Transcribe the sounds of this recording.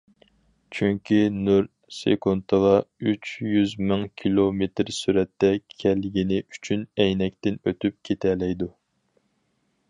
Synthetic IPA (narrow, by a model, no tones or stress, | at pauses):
t͡ʃʰyŋkʲinuɾ | sḛkʰunt̪ʰɨlˠɑyt͡ʃjyzmɪŋkʲʰilˠomet̪ɾsyɾɛt̪ːɛkʲkʲʰɛlːɪɡʲinɪʔyt͡ʃʰynɛjnɛkʲt̪ɪnøt̪ʰyp̚kʲʰet̪ʰɛlɛjd̪u